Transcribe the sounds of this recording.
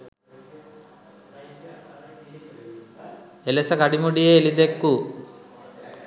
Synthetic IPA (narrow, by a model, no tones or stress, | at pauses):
elesɐkɐɽimuɽieːlid̪ekːu